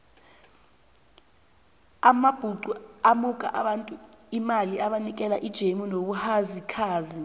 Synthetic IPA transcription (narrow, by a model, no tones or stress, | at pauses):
amab̥ʱuǀuamukʼa̰ʔaɓantʼuimaliʔaɓanik̬ʼɛlaʔid̥ʒ̥ʱemunoɓuhazikʰaːzi